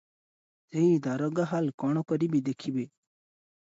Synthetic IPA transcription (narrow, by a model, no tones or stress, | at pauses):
zeid̪aɾoɡaɦalkɔɳ̃okɔɾibid̪ekʰibe